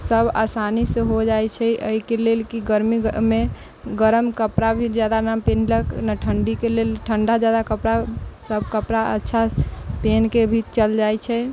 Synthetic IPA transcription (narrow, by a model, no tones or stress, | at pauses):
səbʱa̰sanisəɦod͡ʒajt͡ʃʰɛʔə̰ikelelkiɡəɾmime | ɡəɾəmkəpɾabʱid͡ʒjad̪anampenləknaʈʰəɳɖikelelʈʰəɳɖad͡ʒjad̪akəpɾasəbʱkəpɾaə̰tːʃʰapenkebʱit̪t͡ʃəld͡ʒajt͡ʃʰɛ